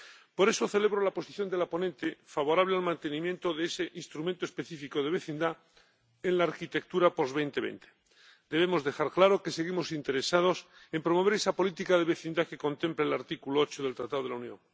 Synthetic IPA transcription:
po̞ɾe̞so̞θe̞le̞β̞ɾo̞lapo̞siθjo̞nd̪e̞lapo̞nẽnt̪e̞faβo̞ɾaβ̞lealmãnt̪e̞nĩmjẽ̞nt̪oðeese̞ʔinst̪ɾumẽnt̪oespe̞θifiko̞ð̞e̞βe̞θind̪a | enlaːɾkit̪e̞k̚t̪uɾapo̞zβe̞jnt̪e̞βḛnt̪ʰe̥ | d̪e̞β̞e̞mo̞zðe̞xaɾklaɾo̞ke̞se̞ɣimo̞sint̪e̞ɾesað̞o̞sempɾo̞mo̞β̞e̞ɾesapolit̪ikaðe̞βeθind̪akeko̞nt̪e̞mpleːlaɾt̪ikuloot͡ʃoð̞e̞lt̪ɾat̪aðo̞ð̞eaunjo̰ŋ

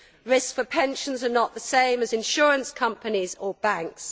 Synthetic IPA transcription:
ɹɪskfəpʰɛ̃nʃə̃nzənəʔðəsẽɪ̃məzɪ̃nʃɔːɹə̃nskʰʌ̃mpənizəbãŋks

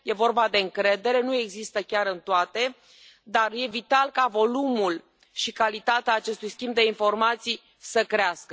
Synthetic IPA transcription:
je̞vo̞rbad̪e̞ɨŋkɾe̞d̪e̞ɾe̞nue̞ɡzist̪əkʲaɾɨnt̪oat̪e̞ | d̪arje̞vit̪alkavo̞lumul | ʃikalit̪at̪eaːt͡ʃe̞st̪ujskʲimbd̪e̞info̞rmat̪sij | səkɾeaskə

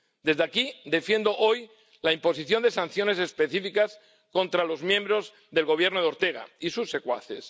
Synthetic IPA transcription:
d̪e̞zðakid̪e̞fje̞nd̪o̞ʔo̞j | laimpo̞s̬iθjo̞nd̪e̞sãn̟θjo̞ne̞se̞spe̞θifikas | ko̞nt̪ɾalo̞zmjẽ̞mbɾo̞z | ðe̞lɣo̞β̞je̞ɾnoð̞eo̞ɾt̪e̞ɣ̞a̰isusːe̞kwa̰θes

